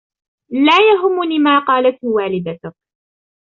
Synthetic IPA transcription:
laːjaɦʊmːʊniːmaːqɑːlat̪hwaːlɪd̪at̪ʊk̚

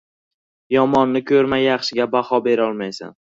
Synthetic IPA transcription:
jɒmɒnːɪkʲʰɵɾmajaχʃɪɡʲabahɒbe̞ɾɒlˠmajsa̰n

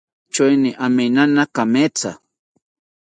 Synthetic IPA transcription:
t͡ʃojnɪʔamenanakamet͡sa̰

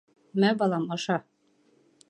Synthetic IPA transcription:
mæbɑlˠɑmɑʃɑ

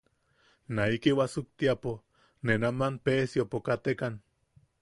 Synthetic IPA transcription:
naikiwasuk̚t̪iapo | nenamanpeːsjopokat̪ekan

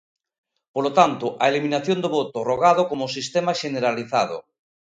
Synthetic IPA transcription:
polot̪ant̪oʔaeliminaθjond̪oβot̪oroɣ̞aðokomosist̪emaʃeneɾaliθað̞o̰

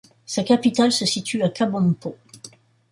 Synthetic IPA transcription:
sakapit̪alsəsit̪ʰyakabɔ̃npo

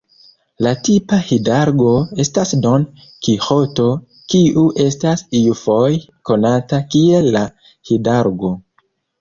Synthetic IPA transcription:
latipahidaɾɡo̞e̞stasdo̞n | kixo̞to̞ | kiʔuʔe̞stasijufoj | ko̞natakie̞lːa | hidaɾɡo̞

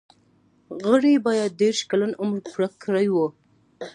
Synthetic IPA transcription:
ɣəɽibɑjad̪̚ːeɾʃkalanʊmɾpɾakːɾajwə

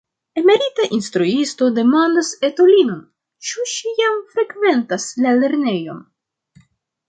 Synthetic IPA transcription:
e̞me̞ɾitaʔinst̪ɾuisto̞de̞mandase̞to̞lino̞n | t͡ʃuʃijamfɾe̞kve̞ntaslale̞ɾne̞jo̞̰n

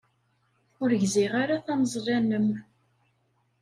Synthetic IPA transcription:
ʊɾəʝzɪʁaɾaθæməzˤrˤænəm

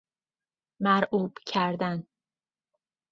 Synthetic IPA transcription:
mæɾʔuːb̥cʰæɾd̪æn

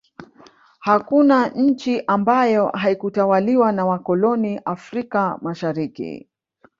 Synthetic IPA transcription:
hakunaɲ̩t͡ʃiʔambajɔɦaikutawaliwanawakɔlɔniʔafɾikamaʃaɾikḭ

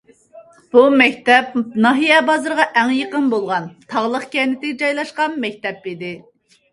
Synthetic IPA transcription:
b̥umɛkʲt̪ɛp̚nɑɦijɛbɑzɨɾʁɑʔæŋjəqənbolˠʁɑnt̪ʰɑʁlˠəqkʲʰɛnɪt̪ɪɡʲd͡ʒɑjlˠɑʃqɑnmɛk̚ʲt̪ɛpid̪ɪ

